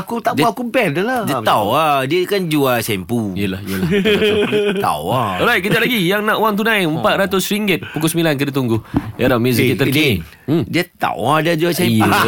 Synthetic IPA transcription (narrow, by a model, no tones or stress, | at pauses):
akut̪aʔdakupɛldulaawadiəkand͡ʒuasɛmpujəlahəla | t̪a̰waɔɾajkədaʔlaɡijaŋnãʔwaŋt̪unãjəmpat̪̚ɾat̪ʊsɾiŋɡət̪̚pukusəmilank̬ədət̪uŋɡuhʔɛɾamjuzit̪əki | diət̪a̰wadiad͡ʒuasɛ